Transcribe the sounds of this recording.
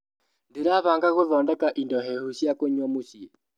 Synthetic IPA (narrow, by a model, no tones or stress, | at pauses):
ndeɾaβaːŋɡaɣoðɔːndɛkaʔindɔɦɛhuɕjakoɲɔmoɕiɛ